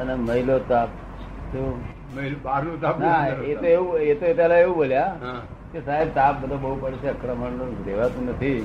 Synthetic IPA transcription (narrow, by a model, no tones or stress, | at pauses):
əneməɦilot̪ap̚ | t̪õ | məilobaɾlũt̪apnaet̪oeʋũet̪oet̪jalaeʋũboljaɦã | kesaɦeb̚t̪ap̚bəd̪ʱabəɦupəɽit͡ʃeəkɾəməɳnodeʋat̪ũnət̪ʰi